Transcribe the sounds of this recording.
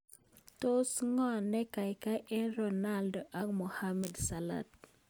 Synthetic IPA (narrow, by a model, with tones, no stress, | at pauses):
to˦sŋɔ˦˨nɛ˦ka˨jka˦ʔɛ˦nɾona˦ldɔ˨ʔa˨ɡmɔ˨hamɛ˨dsa˨la̰˨t̪̚